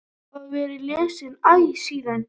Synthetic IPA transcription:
haðvɛːɾɪlɛːsɪnajsiːðan

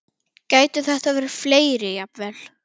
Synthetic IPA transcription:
caːjt̪ʏθɛht̪avɛːɾɪɾ̥fleːjɾɪjapvɛl̥

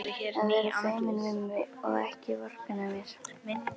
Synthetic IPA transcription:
aðvɛɾasejmɪnvɪmːɪɔ̰ɣɛhcɪvɔr̥pɪnamjɛɾ̥

